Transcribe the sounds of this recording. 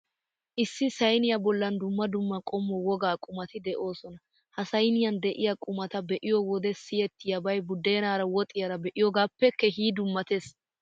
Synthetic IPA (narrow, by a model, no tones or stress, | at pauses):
ʔɪsːɪsɐjnɪjɐbɔlːɐnd̪ʊmːɐd̪ʊmːɐkʼɔmːɔwɔɡaːkʼʊmɐt̪ɪd̪ɛʔo̞ːsɔnɐ | hɐsɐjnɪjɐnd̪ɛʔɪjakʼʊmɐt̪ɐbɛʔɪjɔwɔd̪ɛsɪjɛt̪ːɪjɐbɐjbʊd̪ːe̞ːnaːɾɐwɔt̪ʼɪjɐɾɐbɛʔɪjɔɡaːpːɛkːɛɦiːd̪ʊmːɐt̪es